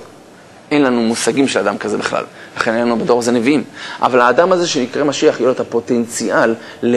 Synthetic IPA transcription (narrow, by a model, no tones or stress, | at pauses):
ʔenlanumusaɡimʃelad̪amkaze̞biχla̰llaχe̞nenlanubado̞ʁazeneviimʔa̰valaːdamaze̞ʃenikʁemaʃiaχjoletapo̞te̞nt͡sialː | e